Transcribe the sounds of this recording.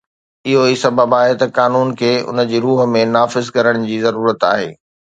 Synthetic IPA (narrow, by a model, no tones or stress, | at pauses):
ɪɦoiːsɐbʱəbaːɦet̪ɐkaːnuːnkʰeːʊ̰nəd͡ʑiːɾuːɦə̆mẽnaːfɪzkɐɾəɽ̃̆d͡ʑiːzɐɾuːɾət̪a̰ːɦeː